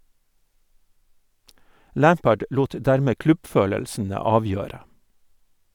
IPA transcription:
ˈlæːmpəɖ ˈluːt ˈdæɾmeː ˈklʉbˌføːləlsn̩ə ˈɑːˌʋjøːɾə

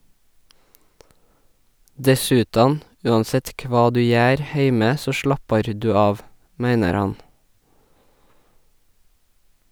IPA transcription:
ˈdɛsʉˌtɑːn ˈʉːɑnˌsɛt ˈkʋɑː ˈdʉː ˈjæːɾ ˈheɪmə ˈsoː ˈʃlɑpɑɾ ˈdʉː ˈɑːʋ ˈmæɪnəɾ ˈhɑn

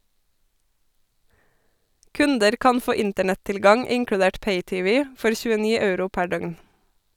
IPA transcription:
ˈkʉndəɾ ˈkɑn ˈfoː ˈɪntəɳɛtɪlˌɡɑŋ ˈɪŋkɽʉˌdeːʈ ˈpeɪˌtɪˌʋɪ ˈfɔɾ çʉəˈniː ˈɑʉɾʊ ˈpæ ˈɖœɡn

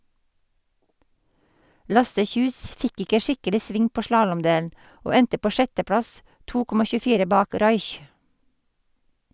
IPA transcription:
ˈlɑsə ˈçʉːs ˈfɪk ˈɪkə ˈʃɪkəlɪ ˈsʋɪŋ ˈpoː ˈʃlɑːlɔmˌdeːln̩ ˈoː ˈɛntə ˈpoː ˈʃɛtəˌpɽɑs ˈtuː ˈkɔmɑ çʉːˈfiːɾə ˈbɑːk ˈɾɑɪç

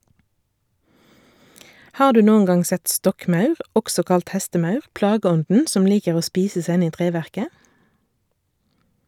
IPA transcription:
ˈhɑːʁ ˈdʉː ˈnuːən ˈɡɑŋ ˈsɛt ˈstɔkˌmɑʉʁ ˈʔɔksɔ ˈkɑlt ˈhɛstəˌmɑʉʁ ˈplɑːɡəˌɔndn̩ ˈsɔm ˈliːkəʁ ˈoː ˈspiːsə ˈsæ ˈɪn ˈiː ˈtʁeːʋæʁkə

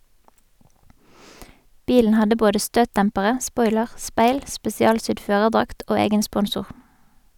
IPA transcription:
ˈbiːln̩ ˈhɑdə ˈboːdə ˈstøːtˌtɛmpəʁə ˈspɔʏləʁ ˈspeɪl spɛsɪˈɑːlˌsʏd ˈføːʁəʁˌdʁɑkt ˈʔoː ˈeːɡən ˈspɔnsʊʁ

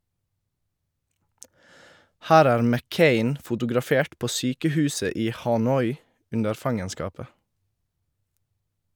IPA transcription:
ˈhæːɾ ˈæːɾ mɛˈkeɪn fʊtʊɡɾɑˈfeːʈ ˈpoː ˈsyːkəˌhʉːsə ˈiː hɑˈnɔʏ ˈʉndəɾ ˈfɑŋənskɑːpə

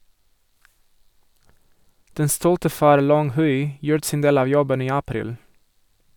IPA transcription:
ˈdɛn ˈstuːltə ˈfɑːɾ ˈlɔŋ ˈhʉɪ ˈjuːɾət ˈsiːn ˈdeːl ˈɑː ˈjɔbən ˈiː ɑˈpɾiːl

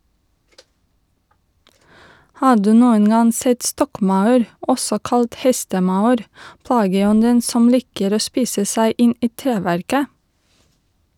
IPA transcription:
ˈhɑː ˈɖʉː ˈnuːən ˈɡɑŋ ˈsɛt ˈstɔkˌmɑʉɾ ˈʔɔsɔ ˈkɑlt ˈhɛstəˌmɑʉɾ ˈplɑːɡəˌɔndən ˈsɔm ˈlɪkəɾ ˈoː ˈspiːsə ˈsæɪ ˈɪn ˈiː ˈtɾeːʋæɾkə

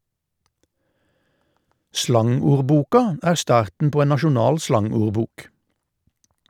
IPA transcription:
ˈslɑŋuːʁˌbuːkɑ ˈæːʁ ˈstɑːʁtn̩ ˈpoː ˈeːn nɑʃʊˈnɑːl ˈslɑŋuːʁˌbuːk

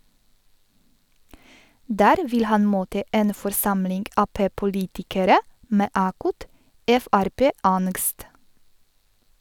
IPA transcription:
ˈdæːɾ ˈʋɪl ˈhɑn ˈmoːtə ˈʔeːn fɔɾˈsɑmlɪŋɡ ˈɑːpeːpʊˌliːtɪkəɾə ˈmeː ˈʔɑːkʊt ˈʔɛfæɾˌpeːˌɑnɡst

